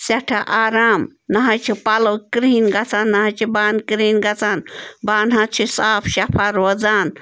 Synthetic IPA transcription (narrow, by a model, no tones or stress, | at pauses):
sɐʈʰaʔaːɾaːmnɐɦɐt͡ʃʰipɐlɐwkɾiːnɡɐt͡sanːɐɦɐt͡ʃʰibaːnkɾiːnɡɐt͡sanbaːnɦãt͡ʃʰisaːpʰʃɐpʰaɾʋɐd͡zaːn